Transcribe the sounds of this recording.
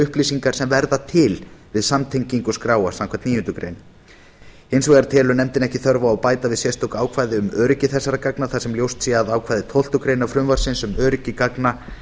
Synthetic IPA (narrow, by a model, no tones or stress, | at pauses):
ʏhplisiŋkaɾ̥sɛmvɛɾðat̪ʰɪlvɪðsamt̪ʰejɲciŋkʏskɾaːwasamkʰɛt̪niːjʏnt̪ʏkɾḛjn | ejnsvɛðaɾt̪ʰɛːlʏnɛmt̪ɪnɛhcɪθœɾvaːwpaːjt̪avɪðsjɛst̪ʰowkaːwkʰvaːjðɪʏmœːɾɪcɪθɛsːaɾakaknaθasɛmljowst̪sjɛaðaːwkʰvajðɪt̪ʰol̥t̪ʏkɾejnafɾʏmvaɾ̥sɪnsʏmœːɾɪcːɪkakna